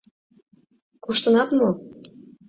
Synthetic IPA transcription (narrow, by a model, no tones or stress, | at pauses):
kuʃt̪ənɑt̪mo